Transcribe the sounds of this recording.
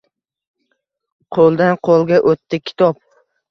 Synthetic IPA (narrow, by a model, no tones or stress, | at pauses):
qʰolˠd̪anqʰolˠɡʲaʔot̪ʰːɪkʲʰɪ̥t̪ʰɒp̚